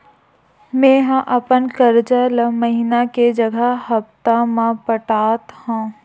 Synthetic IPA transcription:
mẽːɦãʔəpənkəɾd͡ʒələməɦinaked͡ʒɐɡʱəɦɐpt̪amãpəʈaːt̪hõː

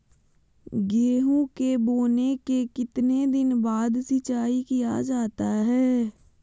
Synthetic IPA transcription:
ɡeːɦũkeboːnekekɪt̪ned̪ɪnbaːd̪sɪt͡ʃaːikijad͡ʒaːt̪aɦɛː

